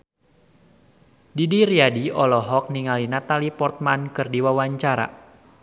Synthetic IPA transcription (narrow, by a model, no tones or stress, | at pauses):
didiɾiadiɔlɔɦɔk̚niŋalinat̪alipɔrt̪̚mankɨrdiwawaɲt͡ʃaɾa̰